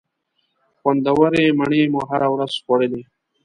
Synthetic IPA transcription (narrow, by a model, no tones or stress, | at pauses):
xwand̪awaɾemaɳemuɦaɾawɾaz̥xwaɽed̪e